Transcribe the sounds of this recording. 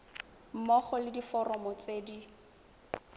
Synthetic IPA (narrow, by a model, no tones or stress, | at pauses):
m̩mɔχɔlɪdifɔrɔmɔt͡seːdi